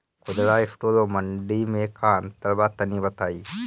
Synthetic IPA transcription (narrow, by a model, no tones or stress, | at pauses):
kud̪ɐlaːefʈoːlomɐɳɖiːmeːkʰaːɐnt̪ɐlbaːt̪ːɐniːbɐt̪aji